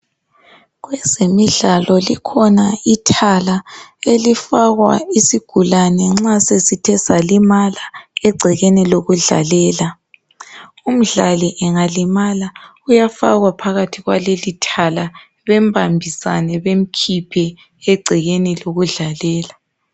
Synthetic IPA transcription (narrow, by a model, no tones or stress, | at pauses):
ɣwɛzemiɮalɔlikʰɔnaitʰalaelifaɣwa̰isiɡ̥ʱulanɛŋ͡ǁasesitʰɛsalimalaeɡ͡ǀʱiɣeniloɣuɮa̰lɛːla | um̩ɮaliʔɛŋalimala | ujafa̰ɣwapʰaɣatʰiɣwa̰lelitʰala | βɛmbʱambʱisa̰nɛβem̩kʰipʰɛ | eɡ͡ǀʱiɣeniloɣuɮalɛːla